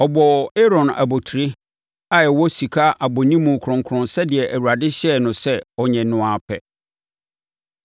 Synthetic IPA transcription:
ɔ˨bɔ˨e˦ɾɔ̃˨na̰˨bo˨tʰɾi˦ | a˦jɛ˨wɔ˦si˨kʰa˦ʔa˨bɔ˨nĩ˦mũ˨kʰʊ˨ɾʊ̃˨ŋkʰɾʊ̃˨nsɛ˦dɪ˨ɛ˨ʔæ˨wu˨ɾa˨dɪ˦ɕɛ˦˨nʊ̃˨sɛ˦ɔ˨ɲɛ̃˨nʊ̃˨a˨pʰɛ̰˨

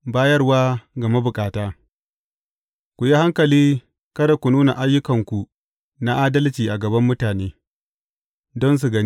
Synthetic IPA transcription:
baː˦jɐ˦rwaː˦ɡɐ˨ma˦bʊ˨kʼaː˨taː˦ | kʷu˨ji˦ha˦ŋkɐ˨liː˦ | kɐ˦da˨kʷu˨nuː˦na˨ʔa˦jːʊ˦kɐ˨ŋkʷu˨ | na˦ʔaː˦dɐ˦lt͡ʃiː˨ʔa˨ɡɐ˨bɐ˦mːʊ˦taː˨neː˦ | dɔ˦ns̬u˨ɡɐ˦n˦

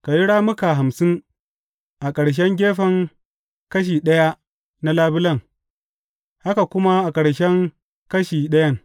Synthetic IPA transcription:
ka˨ji˦ɽaː˦mʊ˦ka˨ɦa˨msɪ˦ŋ | ʔa˨kʼɐ˨ɽʃ̬ɛ˦ŋɡʲeː˦ɸɐ˨ŋ | kɐ˦ʃ̬iː˨ɗɐ˦ja˦ | na˦laː˦bɪ˦lɐ˦˨ŋ | ha˦ka˨kʷʊ˦ma˦ʔa˨kʼɐ˨ɽʃɛ˦ŋ | kɐ˦ʃiː˨ɗɐ˦jɐ˦ŋ

